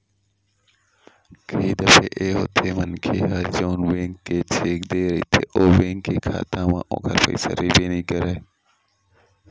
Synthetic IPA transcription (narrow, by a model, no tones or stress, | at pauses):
kʰiːd̪əpʰḛʔeːɦoːt̪ʰeːmənkʰeːɦəɾd͡ʒoːnʋeːŋːeːt͡ʃʰeːkd̪eːɾəiːt̪ʰḛʔoːʋẽːŋɡeːkʰa̰ːt̪ãːmã̰ːʔõ̰ːkʰəɾpə̰isə̰ɾiːbeːnĩːkəɾe